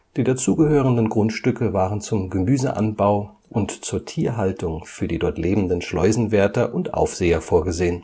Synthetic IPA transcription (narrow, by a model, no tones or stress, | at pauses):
d̥iːdat͡suːɡəɦøːʁ̞əndənɡʁʊntʃtʏkəvaːʁənt͡sʊmɡəmyːzəʔa̰nbaʊ | ʔʊntt͡suːɐtʰiːɐɦaltʊŋfyːɐdiːdɔɐtleːbm̩dənʃlɔ̰ʏzn̩vɛɐtɐʔʊntʔa̰ʊfz̥eːɐfoːɐɡəzeːən